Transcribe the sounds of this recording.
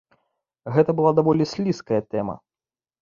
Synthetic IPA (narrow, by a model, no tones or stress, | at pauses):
ɣɛt̪ɐbɨlˠad̪avɔlʲisʲlʲiskɐjɐt̪ɛmɐ̰